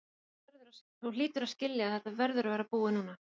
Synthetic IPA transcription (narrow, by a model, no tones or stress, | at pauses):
vɛɾðʏɾaθuliːt̪ʏɾascɪljaθɛt̪avɛɾðʏɾvaːɾapuːɪnuːna